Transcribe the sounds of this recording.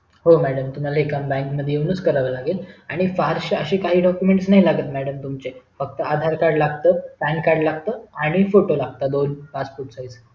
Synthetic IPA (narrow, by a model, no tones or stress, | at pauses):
ɦomæɽəmt̪um̤alaekambɛ̃ŋkməd̪ʱjeinut͡skəɾaʋəlaɡelaɽ̃ifaɾɕəɕeːkaɦiːɖɔkjumeɳʈsnaɦilaɡət̪mæɽəmt̪umt͡ɕefək̚t̪əad̪ʱaɾkaɾɽlaɡt̪əpɛ̃nkːaɾɽlaɡt̪əaɽ̃ifoʈolaɡ̚t̪ad̪onpaspoɾʈsojd͡z